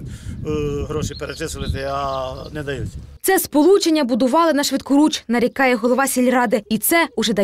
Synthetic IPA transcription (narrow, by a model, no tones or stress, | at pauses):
ɦɾɔʃipeɾet̪ɪsʊʋɪt̪ɪɐnɛd̪ɐjutʲɐt̪sɛspɔlˠut͡ʃenʲːɐbʊd̪ʊʋɑlˠɪnɐʃʋɪt̪̚kʊɾut͡ʃnɐɾʲikɑjɛɦɔlˠɔʋɑsʲilʲrɑd̪ɪit̪sɛʊʒɛd̪ɐ